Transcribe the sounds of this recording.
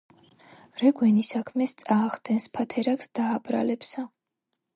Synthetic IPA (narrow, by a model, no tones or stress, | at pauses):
ɾɛɡwɛnisakʰmɛst̪sʼaːʁd̪ɛnspʰat̪ʰɛɾaksd̪̥aːpʼɾa̰lɛpsa